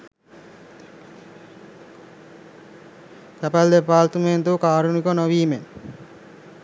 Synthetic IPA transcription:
sapald̪epaːlt̪ument̪okaːɾunikonoʋiːmen

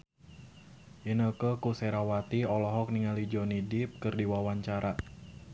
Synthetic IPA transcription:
ʔinəkəkusɛɾawat̪iɔlɔɦɔk̚niŋalid͡ʒɔnidɪp̚kɨrdiwawaɲt͡ʃaɾa

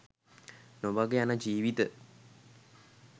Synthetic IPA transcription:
nobaɡejanəd͡ʒiːʋit̪ə

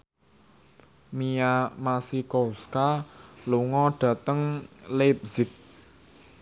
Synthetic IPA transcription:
mijamasikoskaluŋɔɖ̥ä̤t̪əŋlep̚z̥ɪt̪̚

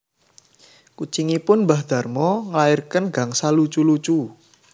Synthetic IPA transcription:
kut͡ʃiŋipʊnbahd̪̥a̤rmɔŋlaɪrkənɡa̤ŋsalut͡ʃulut͡ʃu

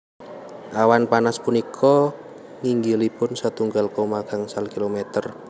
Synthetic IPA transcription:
ʔawanpanaspunikʰɔ | ŋiŋɡilib̥ʊnsat̪uŋɡalkomaɡ̥a̤ŋsalkilomet̪ər

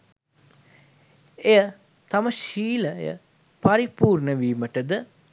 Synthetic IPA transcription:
ejə | t̪aməʃiːləjə̰ | paɾipuːrɳəʋiːməʈəd̪ə

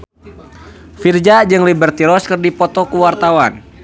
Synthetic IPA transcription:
fird͡ʒad͡ʒɨŋlibərt̪iɾɔskɨrdipɔt̪ɔkuwart̪awan

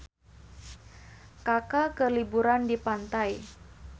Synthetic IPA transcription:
kakakəlibuɾandipant̪aj

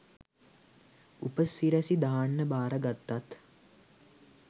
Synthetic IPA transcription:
upəsiɾæsid̪aːaɳːəbaːɾəɡat̪ːat̪

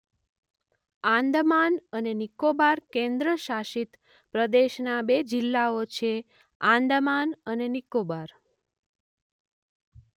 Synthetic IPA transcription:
ãnd̪manənenikobaɾkẽnd̪ɾəʃaʃit̪ | pɾəd̪eʃnabed͡ʒɪlːaot͡ʃʰe | ãnd̪əmanənenikobaɾ

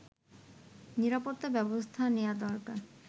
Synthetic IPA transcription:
niɾapot̪ːabɛbost̪ʰanead̪ɔɾkaɾ

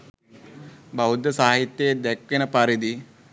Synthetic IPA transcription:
bɐwud̪jɐsaːɦit̪jɐjed̪ɛkːinəpɐɾid̪i

